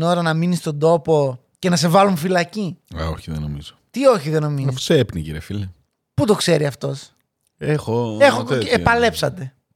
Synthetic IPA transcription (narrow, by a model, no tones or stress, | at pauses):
no̞ɾɐnɐminist̪o̞nd̪o̞po̞ | ce̞nɐs̬e̞vɐlunfilɐciɐ̰o̰çiðeno̰mizot̪io̞çiðe̞no̞minɐisfo̥seepnicḭɾiɐ̰file | put̪o̞kse̞ɾiɐft̪o̞s | exoexoepɐle̞psɐt̪e̞